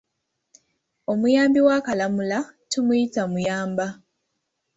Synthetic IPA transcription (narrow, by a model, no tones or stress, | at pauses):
o̞mujaːmbiwakalamulatumujitamujaːmba